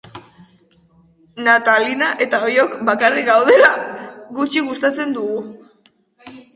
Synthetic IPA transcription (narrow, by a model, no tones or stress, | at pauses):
nat̪alinaʔe̞t̪aojo̞kbakarikɡawð̞e̞laɣut͡ʃiɣust̪at͡se̞nd̪uɣu